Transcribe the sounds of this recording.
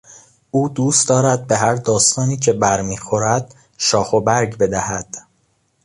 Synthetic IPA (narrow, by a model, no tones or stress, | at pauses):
ʔuːd̪uːst̪d̪ɒːɾæd̪̚be̞ɦæɾd̪ɒːst̪ɒːniːcʰe̞bæɾmiːxo̞ɾæd̪̥ | ʃɒːxobæɾɟbe̞d̪æhæd̪̥